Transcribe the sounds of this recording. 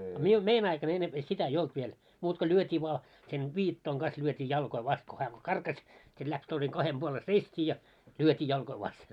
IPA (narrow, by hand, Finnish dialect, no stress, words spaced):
ɑ miun mein ɑikɑn enːemp sitæ ei olt ʋiel muːt ko lyøtʲiː ʋŏɑ sen ʋiːtːoiŋ ɡ̊ɑs lyøtʲiː jɑlkoi ʋɑst ko hæː ko kɑrkɑsʲ sit læks toiseŋ kɑhem b̥uole seistʲiː jɑ lyøtʲiː jɑlkoi ʋɑsten